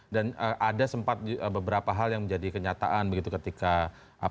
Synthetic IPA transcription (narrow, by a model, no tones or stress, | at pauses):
danəʔadasəmpat̪̚əbəbəɾapaɦaljaŋməɲd͡ʒadikəɲat̪a̰ʔanbəɡit̪ukət̪ika | ʔa